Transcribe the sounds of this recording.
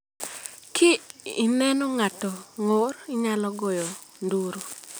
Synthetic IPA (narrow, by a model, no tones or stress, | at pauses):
kʰɪinɛnɔŋatɔŋorɪɲalɔɡɔjɔ | nduɾo